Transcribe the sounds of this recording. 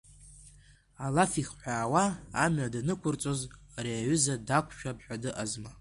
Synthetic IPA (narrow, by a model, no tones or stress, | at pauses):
alafiχħʷᶣaːwaːmɥadanɨkʷʰʊrt͡sʼo̞zreːʕʏzadakʷʰʃᶣap̚ʰʼħʷᶣadɨʔazma